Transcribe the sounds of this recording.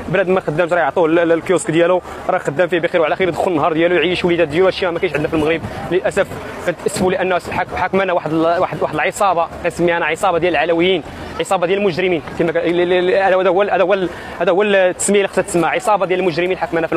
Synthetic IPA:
blæd̪mæxəd̪ːæmʃɾˤɑjəʕt̪ˤuhllkjuskd̪jælu | ɾˤɑjxəd̪ːæmfibixiɾwʕlæxiɾd̪xʊlənːɦɑɾˤd̪jælujʕiʃwlid̪æd̪jæluæʃjæmækænəʃʕəd̪næfilməɣɾəbləlʔæsæfkænt̪ʔəsːfuləʔənːħakħakmænæwaħd̪waħəd̪waħd̪əlʕəsˤɑbɑkænsəmːihænæʕəsˤɑbɑd̪jæləlʕalæwəjːin | ʕəsˤɑbɑd̪jælmʊʒɾəminkimææd̪æd̪æwælæd̪wæl | hæd̪æwælt̪ːə̥səmːilixə̥sːæt̪səmːaʕəsˤɑbɑd̪jæləlmʊʒɾəminħakmænæfil

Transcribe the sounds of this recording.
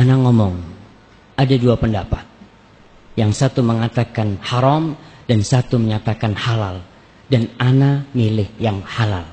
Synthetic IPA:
anaŋɔmɔŋ | adaduapəndapat̪̚ | jaŋsat̪uməŋat̪akanhaɾɔmdansat̪uməɲat̪akanhalal | dananamilɪhjaŋhala̰l

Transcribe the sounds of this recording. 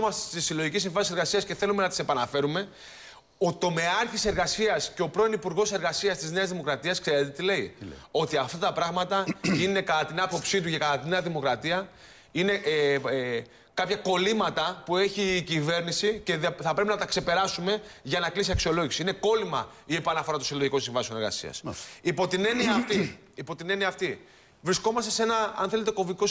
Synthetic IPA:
mɐsst̪isiloʝicisĩɱvɐnseɾɣɐsiɐsce̞θe̞lume̞nɐt̪ise̞pɐnɐfe̞ɾume̞ | ot̪o̞me̞ɐɾçise̞ɾɣɐsiɐsceo̞pɾo̞inipuɾɣo̞se̞ɾɣɐsiɐst̪izne̞ɐzðimo̞kɾɐt̪iɐskse̞ɾe̞t̪et̪ile̞io̞t̪iɐft̪ɐt̪ɐpɾɐɣmɐt̪ɐine̞kɐt̪ɐt̪inɐpo̞psit̪ucekɐt̪ɐt̪inːeɐðimo̞kɾɐt̪iɐ | ine̞ | kɐpçɐko̞limɐt̪ɐpue̞çiːcive̞ɾnisice̞ðθɐpɾe̞p̬inɐt̪ɐkse̞pe̞ɾɐsume̞ʝɐnɐklisiɐksio̞lo̞ʝisiine̞ko̞limɐiepɐnɐfo̞ɾɐt̪osiloʝiko̞nsiɱvɐsione̞ɾɣɐ̰sḭɐ̰sipo̞t̪ine̞niɐːft̪i | ipo̞t̪ine̞niɐːft̪i | vɾisko̞mɐst̪e̞se̞nɐɐ̰nθe̞le̞t̪e̞ko̞viko̞s

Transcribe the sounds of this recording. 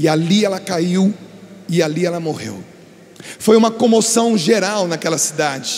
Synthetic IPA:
ialiɛlɐkaiwɪaliɛlɐmohḛw | fojũmɐkõmosɐ̃w̃ʒeɾawnakɛlɐsid̪ad͡ʒɪ

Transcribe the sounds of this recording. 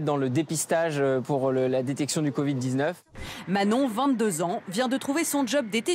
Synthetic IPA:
d̪ɑ̃ləd̪epist̪aʒpuʁləlad̪et̪ɛksjɔ̃d̪ykɔvid̪ːiznœf | manɔ̃vɛ̃t̪̚d̪øzɑ̃vjɛ̃d̪ət̪χuvesɔ̃ʒɔb̚d̪et̪e

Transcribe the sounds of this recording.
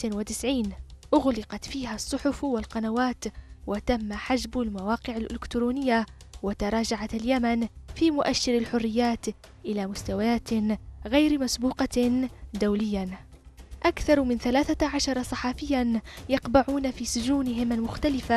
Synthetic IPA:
wɪt̪ɪsʕiːnʔʊɣlɪqɑt̪fiːɦasˤːʊħʊfwɪlqɑnawaːt̪wat̪amːaħad͡ʒbalmawɑːqɪʕalʔɪ̰lɪkt̪ɾuːnɪjːawat̪ɑɾˤɑːd͡ʒaʕat̪aljamanfiːmʊʔaʃːɪɾalħʊrːɪjːaːt̪ | ʔɪlamʊst̪awajaːt̪ɣajɾmasbuːqɑd̪awlɪjːa | ʔakθɑɾˤmɪnθalaːθaʕaʃɑɾˤɑsˤɑħɑfɪjːanjɑqbaʕuːnafiːsʊd͡ʒuːnɪɦɪmalmʊxt̪alɪfa

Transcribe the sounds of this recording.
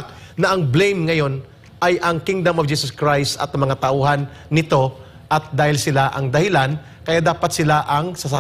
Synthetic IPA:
k̚ | nɐʔɐŋblejmŋɐjo̞n | ʔajʔɐŋkɪŋd̪ɐmovd͡ʒiːsɐskɹajst̪ɐ̰t̪mɐŋat̪ɐʔuːɦanːɪt̪o̞ | ʔɐt̪̚d̪aːhɪlsɪlaʔɐŋd̪ɐhɪlan | kɐjaːd̪aːpɐt̪̚sɪlaʔɐŋsɐsa

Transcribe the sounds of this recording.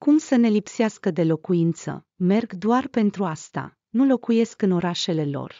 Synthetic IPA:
kumsəne̞lipseaskəd̪e̞lo̞kuint̪sə̰ | me̞rɡd̪oarpe̞nt̪ɾuast̪a̰ | nulo̞kuje̞skɨno̞ɾaʃe̞le̞lo̞̰r

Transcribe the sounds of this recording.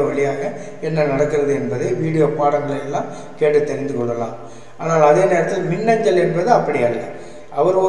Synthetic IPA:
ʋɐɭɪjaːɣɐ | ɛnːɐnɐɽɐkːɯɾɐðɯɛnbɐðɐɪʋiːɽɪjoːpaːɽɐŋɡɐɭɐɛlːãːm | keːʈːɯt̪ːɛɾɪnd̪ɯkɔɭːɐlã̰ːm | aːnaːlɐðeːneːɾɐt̪ːɪlmɪnːɐɲd͡ʒɐlɛnbɐðɯɐpːɐɽɪjaːlːɐ̰ | ʔɐʋɐɾɔ

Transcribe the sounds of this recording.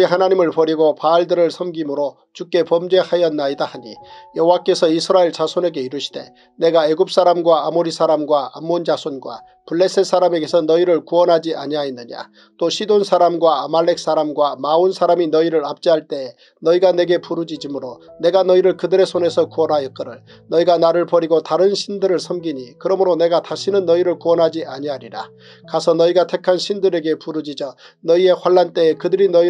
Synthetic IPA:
iɦanaɲimɯɭpʌɾiɡopaːɭdɯɾɯɭsʰʌmɡimɯɾo | t͡ɕuk͈e̞pʌmd͡ʑe̞hajʌnːaidahaɲḭjʌɦowak͈e̞sʰʌisʰɯɾaeɭt͡ɕasʰone̞ɡe̞iɾuɕʰi̥d̥e̞̰ | ne̞ɡae̞ɡup̚s͈aɾamɡwaamoɾisʰaɾamɡwaa̰mːond͡ʑasʰonɡwa̰ | puɭːe̞s͈ʰes͈ʰaɾame̞ɡe̞sʰʌnʌiɾɯɭkuʌnɦad͡ʑiʔa̰ɲiainːɯɲa̰ | t͈oɕʰidonsʰaɾamɡwaːmaɭːe̞k̚s͈aɾamɡwamaunsʰaɾaminʌiɾɯɾap̚t͡ɕ͈iɦaɭt͈e̞ | nʌiɡane̞ɡe̞puɾud͡ʑid͡ʑimɯɾone̞ɡanʌiɾɯɭkɯdɯɾe̞sʰone̞sʰʌkuʌnɦajʌk͈ɯɾɯɭ | nʌiɡanaɾɯɭpʌɾiɡotaɾɯnɕʰindɯɾɯɭsʰʌmɡiɲikɯɾʌmɯɾone̞ɡataɕʰinɯnːʌiɾɯɭkuwʌnɦad͡ʑiʔaɲiɦaɾiɾa̰ | kasʰʌnʌiɡatʰe̞kʰanɕʰindɯɾe̞ɡe̞puɾud͡ʑid͡ʑʌ | nʌie̞ɸwaɭːant͈e̞ːkɯdɯɾinʌi

